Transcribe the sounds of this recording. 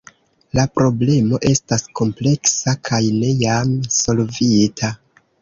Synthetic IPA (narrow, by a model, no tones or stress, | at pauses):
lapɾo̞ble̞mo̞ʔe̞stasko̞mple̞ksakʰajne̞jamso̞lvitʰa